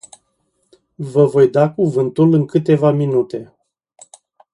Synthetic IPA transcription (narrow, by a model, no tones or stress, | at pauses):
vəvo̞jd̪akuvɨnt̪ulɨŋkɨt̪e̞vaminut̪e̞